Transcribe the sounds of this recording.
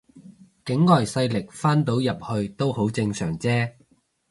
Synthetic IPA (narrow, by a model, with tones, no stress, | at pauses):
kɪ˨˥ŋːɔː˨˩jsɐ˧jlɪ˨˩k̚faː˥nt̪o˨˥wjɐ˨p̚hɵ˧ɥt̪o˥who˨˥wt͡sɪ˧ŋsœː˨˩ŋt͡sɛː˥